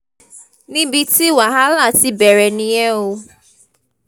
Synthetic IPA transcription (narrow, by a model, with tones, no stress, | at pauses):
nĩ˦bi˦ti˦wa˨ɦa˦la˦˨ti˦be˨ɾe˨ni˦e˦u˦